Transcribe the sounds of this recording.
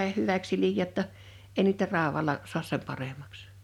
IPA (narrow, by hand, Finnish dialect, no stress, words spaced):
hyʋæks silijˑæː tːɑ ei niːtæ rɑˑowɑlɑ suɑs sem pɑremɑks